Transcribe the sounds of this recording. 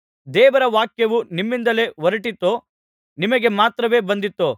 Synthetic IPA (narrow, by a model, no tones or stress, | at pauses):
d̪ɛːʋɐɾɐʋaːkjɐʋunimːind̪ɐle̞ʋɐɾɐʈit̪ːoː | nimɐɡe̞maːt̪ɾɐʋe̞ːbɐnd̪it̪ːoː